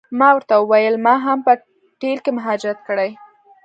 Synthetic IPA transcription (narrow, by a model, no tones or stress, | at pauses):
mɑwəɾt̪awəwajəlmɑɦampə | ʈelkemʊɦɑd͡ʒɪɾat̪̚kəɽaj